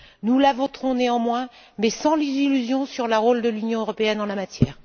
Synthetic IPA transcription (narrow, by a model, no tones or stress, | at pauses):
nulavɔt̪χɔ̃neɑ̃mwɛ̃ | mɛsɑ̃lizilyzjɔ̃syʁlaʁold̪əlynjɔ̃øʁɔpeɛnɑ̃lamat̪jɛːʁ